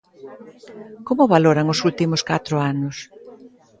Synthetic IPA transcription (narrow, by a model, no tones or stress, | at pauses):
komʊβaloɾaŋʊsult̪imʊskat̪ɾʊanʊs